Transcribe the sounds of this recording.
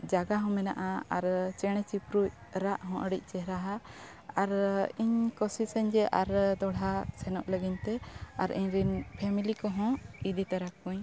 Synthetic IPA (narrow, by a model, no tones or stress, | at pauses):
d͡ʒaɡaɦɔ̃mɛna̰ʔaaɾt͡ʃɛɽ̃ɛt͡ʃipɾuc | ɾaʔɦɔ̃ʔəɽic̚ˀt͡ʃɛɦɾaɦa | aɾiɲkɔsisəɲd͡ʒɛʔaɾd̪ɔɽɦasɛnɔʔləɡiɲt̪ɛaɾiɲɾinpʰɛmilikɔɦɔ̃id̪it̪aɾakũɲ